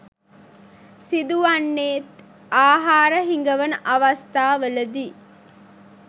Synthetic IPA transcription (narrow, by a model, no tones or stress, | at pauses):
sid̪uʋanːeːt̪ | aːɦaːɾəɦiŋɡəʋənəʔɐʋɐst̪aːʋələd̪iː